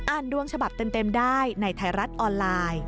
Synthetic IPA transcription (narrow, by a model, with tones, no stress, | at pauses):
ʔaː˧˩ndu˧əŋt͡ɕʰa˧ba˨˩p̚t̪e˧mt̪e˧mdaː˥˩jna˧jt̪ʰa˧˩jɾa˦˥t̪̚ʔɔː˧nlaː˧j